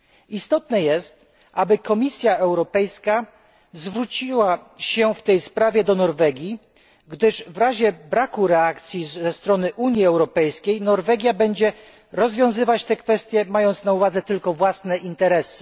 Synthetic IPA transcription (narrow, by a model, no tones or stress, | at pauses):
ist̪ɔt̪nɛjɛst̪̚ | ʔabɘkɔmʲisʲjaɛwɾɔpɛjska | zvɾut͡ɕiwaɕɛft̪ɛjspɾavʲjɛd̪ɔnɔɾvɛɡʲji | ɡd̪ɘʐvɾaʑɛbɾakuɾɛakt̪sʲjizɛst̪ɾɔnɘʔuɲjiɛwɾɔpɛjskʲejnɔɾvɛɡʲjabɛɲd͡ʑɛ | ɾɔzvʲjɔ̃w̃zɘvat͡ɕt̪ɛkfɛst̪ʲjɛmajɔnt̪snauvad̪zɛt̪ɘlkɔvwasnɛʔint̪ɛɾɛsɘ̥